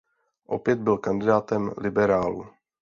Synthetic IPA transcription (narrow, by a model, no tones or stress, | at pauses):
ʔo̞pjɛd̪̚bɪlkandɪdaːt̪ɛmlɪbɛɾaːlṵ